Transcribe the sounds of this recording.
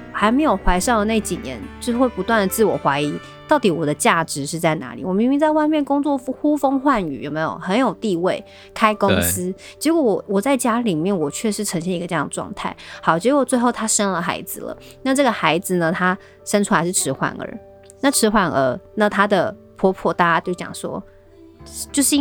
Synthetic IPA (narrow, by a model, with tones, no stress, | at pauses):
xa˧˥ɪme˧˥ɪjo˨˩ʊxwa˧˥ɪʂɑ˥˩ŋd̪ə˩ne˥˩ɪt͡ɕi˨˩njɛ̰˧˥nt͡ɕo˥˧˥xwe˥˩ɪpu˧˥t̪wa˥˩nd̪ə˩t͡sɹ̩˥˩wɔ˨˩xwa˧˥ɪi˧˥ | t̪ɑ˥˩ʊt̪i˨˥wɔ˨˩d̪ə˦t͡ɕja˥˩ʈ͡ʂɻ̩˧˦ʂɻ̩˥˧t͡sa˥˩ɪna̰˧˥lḭ˨˩wɔ˨˩mi˧˥ŋmi˧˥ŋt͡sa˥˧ɪwa˥˧ɪmjɛ˥˩nkʊ˥ŋt͡swɔ˥˩fxu˥fɤ˥ŋxwa˥˩ny̰˨˩jo˨˩ʊme˧˥jo̰˨˩xə˧˥njo˨˩ʊt̪i˥˧we˥˩ɪ | kʰa˥ɪkʊ˥ŋs̩˥ | t͡ɕɛ˧˥kwɔ˧˥˩wɔ˨˩wɔ˨˩t͡sa˥˩ɪt͡ɕja˥li˨˩mjɛ˥˩nwɔ˨˩t͡ɕʰɥɛ˥˧ʂɻ̩˥˧ʈ͡ʂʰə˧˥ŋɕjɛ˥˧i˧˥ɡə˧t͡ɕjŋd̪ə˩ʈ͡ʂwɑ̰˥˧ŋt̪ʰa̰˥˩ɪhɑ˨˥ʊt͡ɕɛ˧˥kwɔ˨˩t͡swe˥˧ɪxo˥˩ʊt̪ʰa˥ʂə˥nlə˨xa̰˧˥ɪd͡zɹ̩˨lə̰˩ | na˥˧ʈ͡ʂɤ˥˩ɡə˩xa˧˥ɪd͡z̩˨nə˩t̪ʰa˥ | ʂə˥nʈ͡ʂʰu˥la˧˥ɪʂɻ̩˥˩ʈ͡ʂʰɻ̩˧˥xwa̰˨˩nə̰˞˨˧˥ | na˥˩ʈ͡ʂʰɻ̩˧˥xwa˥˩nə̰˧˥na˥˧t̪ʰa˥d̪ə˨ | pʰɔ˧˥pʰwɔ˥˩t̪aa˥˧t̪jo˥˩t͡ɕjɑ̰˨˩ŋʂwɔ̰˥ | t͡ɕjo˥˧ʊʂɻ̩˥˧